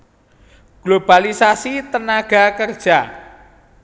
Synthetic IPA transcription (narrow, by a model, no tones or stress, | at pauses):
ɡ̥lob̥alisasit̪ənaɡ̥a̤kərd̥ʒ̥a